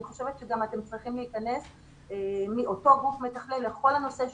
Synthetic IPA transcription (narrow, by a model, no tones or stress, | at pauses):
iχoʃevet̪ʃeɡamate̞mt͡sʁiχimleikane̞s | miʔo̞to̞ɡufmetaχlelːeχo̞lhano̞seʃ